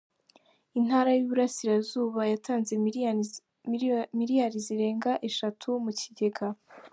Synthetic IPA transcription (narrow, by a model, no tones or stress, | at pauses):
in̥haːɾajuβuɾasiɾazuːβajatʰaːnze̞ | miɾijaɾiziɾe̞ːŋɡaʔe̞ʃatʰumuciɟe̞ɡa